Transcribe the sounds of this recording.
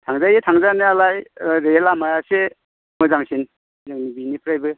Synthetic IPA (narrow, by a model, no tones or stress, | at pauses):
tʰaŋzajetʰaŋzanɯalajɾelamajase | mɯzaŋsin | zaŋnibinipʰɾajbɯ